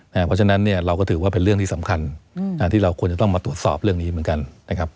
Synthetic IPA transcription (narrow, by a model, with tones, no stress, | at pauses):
na˦˥pʰɔ˦˥t͡ɕʰa˧na˦˥nːi˥˩ɐɾa˧wkɔː˥˩t̪ʰɯː˩˦waː˥˩pe˧nɾɯ˥˩əŋt̪ʰiː˥˩sa˩˦mkʰa˧naː˧˥t̪ʰiː˥˩ɾa˧wkʰu˧ənt͡ɕa˨˩t̪ɔ˥˩maː˧t̪u˨˩ət̪̚sɔ̰ː˨˩p̚ɾɯ˥˩əŋniː˦˥mɯ˩˦nka˧nna˦˥kʰa˦˥p̚